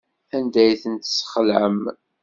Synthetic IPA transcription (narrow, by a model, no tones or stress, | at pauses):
ænd̪æjθənt̪sə̥χlʕəm